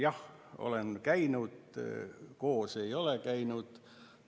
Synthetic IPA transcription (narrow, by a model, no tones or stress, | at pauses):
jɑh | o̰le̞nkæjnud̪̥ | ko̞ːse̞jo̞lekæjnud̪̥